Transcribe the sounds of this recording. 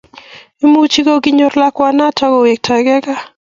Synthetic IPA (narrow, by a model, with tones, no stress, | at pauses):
i˦mu˦t͡ʃi˦ɡo˦ɡɪ˦ɲo˦ɾla˦kwa˦na˦tʰa˦ɡɔ˨we˨k̚tʰa˨ɡɛ˦ɡa˦